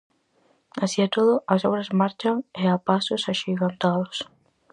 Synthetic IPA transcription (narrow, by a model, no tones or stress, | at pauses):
asiet̪oðʊʔɐsoβɾɐzmaɾt͡ʃaŋeapasʊsaʃiɣant̪aðʊs